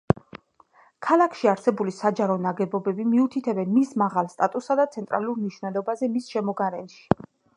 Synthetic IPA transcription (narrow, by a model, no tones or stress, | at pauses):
kʰalˠakʰʃiaɾsɛbulisad͡ʒaɾɔnaɡɛbɔbɛbimiut̪ʰit̪ʰɛbɛnmismaʁalˠst̪ʼat̪ʼusːad̪at̪sʰɛnt̪ʼɾa̰lˠuɾmniʃvnɛd̪ɔbazɛmisʃɛmɔɡaɾɛnʃi̥